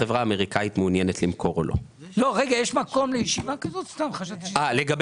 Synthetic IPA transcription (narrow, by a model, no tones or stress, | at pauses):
evʁaːme̞ʁikait̪meunjenet̪limkʰo̞ʁo̰lʔo̰ | lo̞ʁeɡajeʃmako̞mlejeʃivakazo̞t̪st̪amχaʃat̪aleɡab